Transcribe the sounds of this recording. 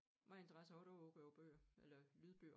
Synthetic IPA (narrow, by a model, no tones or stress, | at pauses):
mɑ̈e̝nt͡sʰəʁasɐɒɾ̥ɒɔb̥æʊb̥ø̰ːɐelɐlyːð̩ˠb̥øːɐ